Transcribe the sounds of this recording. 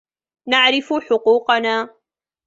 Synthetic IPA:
naʕɾɪfʊħʊquːqɑnaː

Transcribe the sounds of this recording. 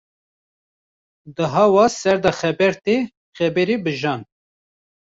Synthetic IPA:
d̪ɨɦɑwɑsɛɾd̪ɑxɛbɛɾt̪e | xɛbɛɾibɨʒɑːn

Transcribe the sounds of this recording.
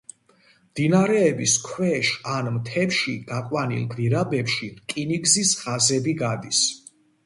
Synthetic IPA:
md̪̥inaɾɛːbiskʰwɛʃanmt̪ʰɛpʃiɡ̥akʼwanḭlˠɡviɾabɛpʃikʼiniɡzisχazɛbiɡad̪is

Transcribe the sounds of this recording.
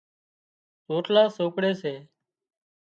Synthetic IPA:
soːʈlaːsoːkɽeːseː

